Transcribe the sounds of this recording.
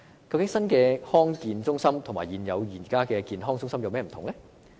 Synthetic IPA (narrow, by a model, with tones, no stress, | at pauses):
kɐ˧wkɪ˨˥ŋsɐ˥nkɛː˧hɔː˥ŋkiː˨˧nt͡sʊ˥ŋsɐ˥mt̪ʰmaː˨˩jiː˨njɐ˨˧wjiː˨˩nkaː˥kɛː˧kiː˧nɦɔː˥ŋt͡sʊ˥ŋsɐ˥mjɐ˨˧wmɛː˥m˨˩t̪ʰŋlɛ˥